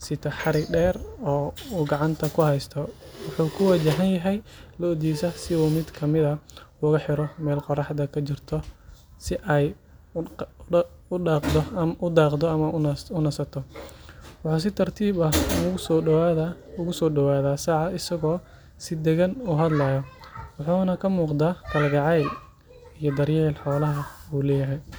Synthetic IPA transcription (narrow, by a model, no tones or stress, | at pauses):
sɪt̪ʰɐħɑɾɪɡɖɛːrɔːuːɡɑʕɑnt̪ʰɐkʰʊhɛjst̪ʰɔwɑħuːkʰʊwɑt͡ʃɐɦɐnjɐɦɛjlɐɔd̪iːsɐsɪuːmɪd̪kʰɐmɪðɐʊɣɐħɪɾɔmɛːlqɔrɑħd̪ɐkʰɐt͡ʃɪrt̪ʰɔsɪʔɛj | ʊqd̪ɔmʔʊd̪ɑːqd̪ɔɐmɐʊnɐsɐt̪ʰɔ | wɑħuːs̬ɪt̪ʰɐrt̪ʰiːbɐh | ʊɣʊsɔːɖɔwaːðaːsɑʕɑɪsɐɣɔː | sɪd̪ɛɣɐnuːɦɐd̪lɐːjɔwɑħuːnɐkʰɐmuːqd̪aːt̪ʰɐlɡɑʕɑjl | ijɞd̪ɐrjɛːlħɔːlɐɦɐuːlɛːjɐɦɛj